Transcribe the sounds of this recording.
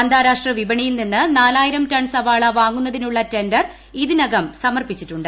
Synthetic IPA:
ɐnd̪ʱaːɾaːʂʈrɐʋibɐɳijilninːɨnaːlaːjiɾɐmtɐɳsɐʋaːɭɐʋaːŋːunːɐðinuɭːɐtendɐr | iðinɐɡɐmsɐmɐrpit͡ɕːitːuɳɖɨ

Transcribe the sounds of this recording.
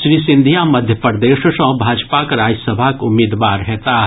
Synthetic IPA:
sɾiːsɪ̃nd̪ʱijaməd̪ʱjəpəɾd̪eːʃʃə̃ɦbʱaːd͡ʒpakɾaːd͡ʒəsəbʱakʊmːiːd̪ʋaːɾɦɛt̪aː

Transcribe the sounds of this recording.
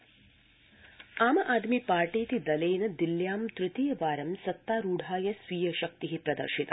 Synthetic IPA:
aːmɐʔaːd̪mipaːɾʈiːt̪id̪ɐleːnɐd̪iljaːmt̪ɾɪt̪iːjɐʋaːɾɐmsɐt̪ːaːɾuːɖʱaːjɐsʋiːjɐʃɐk̚t̪iɦipɾɐd̪ɐ̰ɾʃit̪ɐ

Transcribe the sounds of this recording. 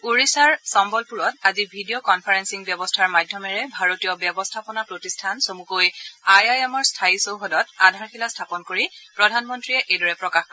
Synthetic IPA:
uɹisaɹsɔmbɔlpuɹɔtazibʱidijokɔnpʰaɹɛnsiŋbjɔbɔstʰaɹmadʱjɔmɛɹɛbʱaɹotijɔbjɛbɔstʰapɔnapɹotistʰansomukojajajɛmɔɹstʰaisowɦɔdɔtadʱaɹxilastʰapɔnkoɹipɹɔdʱanmɔntɹiɛʔejdɔɹɛpɹɔkaxkɔ

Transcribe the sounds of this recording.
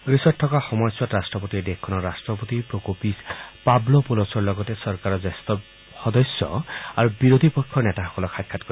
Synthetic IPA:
ɡɹisɔtʰːɔkaxɔmɔjswatɹastɹɔpotiɛdekʰːɔnɔɹastɹɔpotipɹokopispablɔpulɔsɔɹlɔɡɔtɛsɔɹkaɹɔzast̪ɔ | xɔdɔsːɔ̰aɹubiɹod̪ʱipɔjkʰːɔɹnɛtaxɔ̥kɔlɔkʰakʰːatkoi

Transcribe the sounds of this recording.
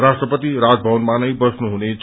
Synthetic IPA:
rasʈrʌpʌt̪iɾad͡zbʱʌwʌnmanʌjbʌsnuɦunet͡s

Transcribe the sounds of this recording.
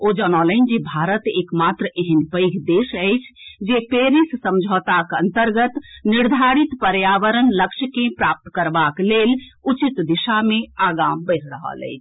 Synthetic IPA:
od͡ʒɔnɔlə̃ɪnd͡ʒibʱaːɾət̪eːkmat̪ɾəʔeɦənpəɪɡʱd̪eʃəɪt͡ʃʰd͡ʒepeɾissəmd͡ʒʱət̪akənt̪əɾɡət̪niɾd̪ʱaɾit̪pəɾjaːʋəɾənləkʃʰəkẽpɾaːp̚t̪kəɾbaklelut͡ʃit̪d̪iʃamẽaːɡambəɪɾʰɾəɦə̰lɛ̰ɪt͡ʃʰ

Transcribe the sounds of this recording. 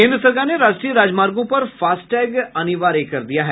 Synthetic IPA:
kẽːnd̪ɾəsəɾkaneɾaːd͡ʒʈɾijəɾaːd͡ʒmaːɾɡõpɐɾfaːsʈɛːɡɐniʋaːɾekɐɾd̪ijaɦɛː

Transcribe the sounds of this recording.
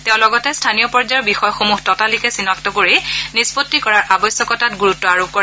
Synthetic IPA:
teʊ̃lɔɡɔtɛstʰanijɔpɔɹd͡ʒabixɔjɔxomuxtɔtalikɛsinɔk̚tɔkoɹinispotːikɔɹaɹʔabɔjsjɔkɔtatɡuɹutːɔaɹob̚kɔɹ

